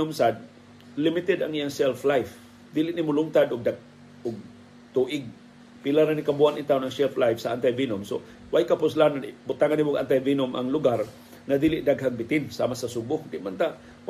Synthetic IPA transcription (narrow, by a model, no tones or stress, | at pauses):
ʊmsad̪̚ | lɪmɪt̪ɛd̪aŋijaŋsɛlflajf | d̪iːlɪʔnimʊlʊŋt̪ad̪ʊɡ̚d̪aɡ | ʊɡ̚ | t̪uʔɪɡ̚ | pilaɾanikabuanit̪awnaŋsɛlflajfsaʔant̪̬ajvinʊmso̰ | wajkapʊs̬lananbʊt̪aŋanimʊɡʔa̰nt̪ajvinʊmʔa̰ŋlʊɡar | ŋad̪iːlɪʔd̪aɡɦaŋbɪt̪ɪnsa̰masasubʊhd̪ɪʔmant̪a